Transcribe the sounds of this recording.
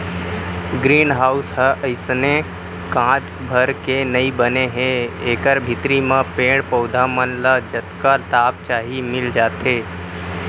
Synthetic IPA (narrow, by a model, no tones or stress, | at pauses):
ɡɾiːnɦaːʊsɦəʔəɪsne | kãːt͡ʃ | bʱəɾkenəĩbəneɦẽeːkəɾbʱɪt̪ɾimãpẽːɽpəʊd̪ʱamənlad͡ʒət̪kat̪aːp̚t͡ʃaːɦimɪld͡ʒaːt̪eː